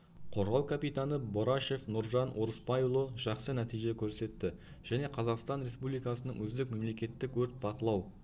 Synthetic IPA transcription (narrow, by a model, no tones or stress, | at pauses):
qʰo̞ɾʁɑwkʰapijt̪anəbo̞ɾaʃe̞fnʊɾʒɑnwʔoɾəspɑjlˠoʒ̥ɑqsənæt̪ijʒe̞kʲʰɵɾse̞t̪ːɪ | ʒ̥æne̞qʰɑzɑqst̪ɑnɾʲe̞spublijkɑsənəɴwɵzd̪ɪkme̞mle̞kʲe̞t̪ːɪkwɵɾt̪̚bɑqəlˠɑw